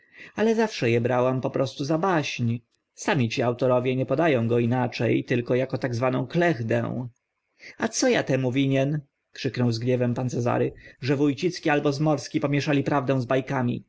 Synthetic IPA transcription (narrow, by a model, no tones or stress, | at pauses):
alɛzafʂɛjɛbɾawampɔpɾɔst̪uzabaɕɲ | samʲit͡ɕiawt̪ɔɾɔvʲjɛɲɛpɔd̪ajɔ̃w̃ɡɔinat͡ʂɛjt̪ɘlkɔjakɔt̪aɡzvanɔ̃w̃klɛɣd̪ɛ̰w̃ | at̪sɔjat̪ɛmuvʲiɲɛn | kʂɘknɔwzɡɲɛvɛmpant̪sɛza̰ɾɘʐɛvujt͡ɕit̪skʲialbɔzmɔɾskʲipɔmʲjɛʂalʲipɾavd̪ɛ̃w̃zbajkamʲḭ